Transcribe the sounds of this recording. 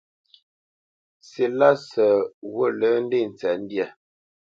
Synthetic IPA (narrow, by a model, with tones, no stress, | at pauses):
se˨la˦sə˨wo˦˨lə˨˦n̩˦de˦˨n̩˨t͡sɛ˨n̩˦dja˦˨